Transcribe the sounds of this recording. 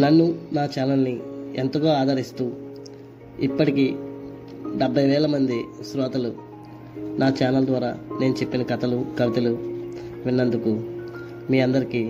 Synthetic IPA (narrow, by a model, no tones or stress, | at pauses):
nɐnːunaːt͡ʃaːnɐlnient̪ɐɡoːaːd̪ɐɾist̪uː | ipːɐʈiki | ɖɛbʱːɐjʋɛːlɐmɐnd̪isɾɔːt̪ɐlu | naːt͡ʃaːnɐld̪ʋaːɾaːne̞ːnut͡ʃe̞pːinɐkɐt̪ɐlukɐʋit̪ɐluʋinːɐnd̪uku | miːɐnd̪ɐɾiki